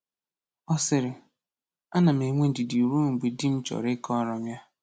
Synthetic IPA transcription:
ɔ˦sɪ˨ɾɪ˨ | a˦na˨m̩˨e˨ŋʷe˦n̩˦dɪ˨di˨ɾu˦ŋ̩˨ɡ͡be˨dɪ˦m̩˦t͡ʃɔ̰˨ɾɪ˦kɔ˦ɾɔ˦m˦ja˦

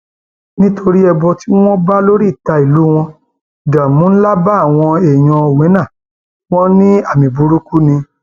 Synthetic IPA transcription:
nĩ˦tʰo˧ɾi˦ɛ˧bɔ˧ti˦w̃ɔ̃˦ba˦lo˦ɾi˦˨ta˧i˨lu˨˦w̃ɔ̃˧ | da˨mũ˨˦la˦ba˦a˦˨w̃ɔ̃˧e˨j̃ɔ̃˧o˨wẽ˨˦nã˦˨ | w̃ɔ̃˦nĩ˦a˦˨mĩ˨bu˧˦ɾu˦ku˦nĩ˧

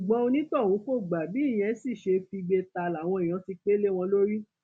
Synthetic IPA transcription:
u˨ɡ͡bɔ̃˧˦o˧nĩ˦tɔ˦˨wũ˨˦ko˦˨ɡ͡ba˨bi˨˦˨j̃ɛ̃˧˦si˦˨ʃe˧fi˧ɡ͡be˧ta˨la˨w̃ɔ̃˧ĩ˨ã˨˦ti˧k͡pe˦le˦w̃ɔ̃˧lo˦ɾi˦

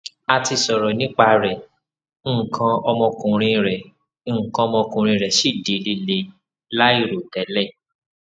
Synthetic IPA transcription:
a˧ti˧sɔ˨ɾɔ˨nĩ˦k͡pa˦˧ɾɛ˨˦˨ | kʰã˧ɔ˧mɔ̃˧kũ˨ɾ̃ĩ˧ɾɛ˨˦˨ | kã˧ɔ˧mɔ̃˧kũ˨ɾ̃ĩ˧ɾɛ˨ʃi˦˨di˨˦le˧le˧ | la˦i˦˨ɾo˨tɛ˨˦lɛ˦˨

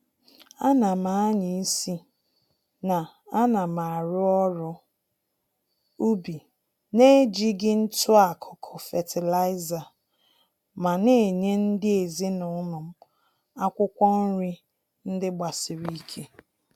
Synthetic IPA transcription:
a˦na˨ma˨a˦ɲi˨˦si˦ | na˨ | a˦na˨ma˨a˨ɾʊ˦ɔ˦ɾʊ˦ | u˦bi˨ | ne˦d͡ʒi˦ɡɪ˦n̩˦tʊ˦a˨kʰʊ˨kʰʊ˨fe˨tɪ˨la˦ɪ˦za˨ | ma˨ne˦˨e˨ɲe˦n̩˦dɪ˦e˨zi˦nʊ˨˦nʊ˨m̩˦ | a˦kʷʊ˦kʷɔ˦n̩˦ɾɪ˦ | n̩˦dɪ˦ɡ͡ba˨sɪ˨ɾi˦kʰe˦

